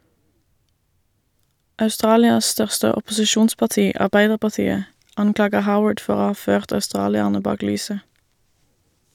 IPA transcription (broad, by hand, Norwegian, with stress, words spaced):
ɑʉˈstʁɑːlɪɑs ˈstœʁstə ɔpʊsɪˈʃuːnspɑʁˌtiː ʔɑʁˈbæɪdəʁpɑʁˌtiːə ˈɑŋˌklɑːɡə ˈhaʊəɖ ˈfɔʁ ˈoː ˈhɑː ˈføːʁt œʉˈstʁɑːlɪəʁnə ˈbɑːk ˈlyːsə